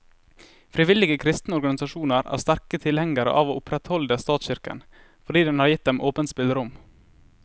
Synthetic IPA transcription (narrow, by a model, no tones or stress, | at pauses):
fɾɪʋɪlɪɡəkʰɾɪst̪nəɔɾɡɑnɪsɑʃuːnəɾæ̰ːɾst̪æɾkət̪ʰɪlhɛŋəɾə̰ʔɑːʋoːʔʊpɾɛt̪hɔld̪əst̪ɑːt̪sɕɪɾkə̰n | fɔɖiːd̪ɛnhɑːɾjɪt̪̚d̪ɛmʔoːpənspɪld̪ɾʊm